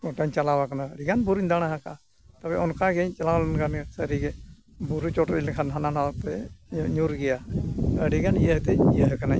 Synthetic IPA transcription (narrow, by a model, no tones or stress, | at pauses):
kɔʈaɲt͡ʃalawakanaɽiɡanbuɾiɲd̪aɽ̃aɦakaa | t̪abɛʔɔnkaɡɛɲt͡ʃalawlɛnkʰansəɾiɡɛ | buɾut͡ʃɔʈɾilkʰanɦananapɛɲuɾɡɛjaəɽiɡanijəɦt̪ɛijəɦkana